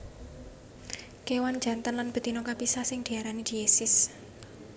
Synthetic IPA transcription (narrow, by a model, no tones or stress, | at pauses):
kewan̥d͡ʒ̥a̤nt̪ənlanb̥ə̤d̪̥i̤nokapisahsɪŋd̪̥i̤aɾanid̪̥iesɪs